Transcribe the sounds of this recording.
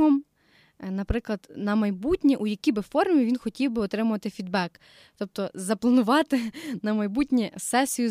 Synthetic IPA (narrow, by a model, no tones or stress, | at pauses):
ɔm | nɐpɾɪklˠɐd̪nɐmɐjbutʲnʲiʔujɐkʲibɪfɔrmʲiʋʲinxɔtʲiwbɪɔt̪ɾɪmʊʋɐt̪ɪfʲid̪̚bɛk | t̪ɔp̚t̪ɔzɐplˠɐnʊʋɑt̪ɪnɐmɐjbutʲnʲisɛsʲijʊ